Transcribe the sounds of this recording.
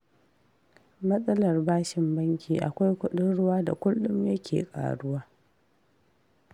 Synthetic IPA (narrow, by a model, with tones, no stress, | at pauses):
mɐ˦sʼɐ˦lɐ˨rbaː˦ʃɪ˨mbɐ˦ŋkʲiː˨ʔa̰˨kʷa˦jkʷʊ˦ɗɪ˦nɽʊ˦waː˦da̰˨kʷʊ˦lːʊ˦mjɐ˦kʲʰḛː˨kʼa̰ː˨ɽʊ˦waː˦